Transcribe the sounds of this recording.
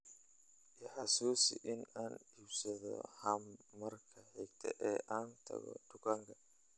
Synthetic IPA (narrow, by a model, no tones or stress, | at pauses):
ʔɛħasuːsiʔɪnaːnhibsɐðɔ̰hɐmːɐrkʰɐħɛɡt̪ʰɛʔɛːʔaːnt̪ʰɐ̰ɣɔ̰d̪ʊkɐŋkɐ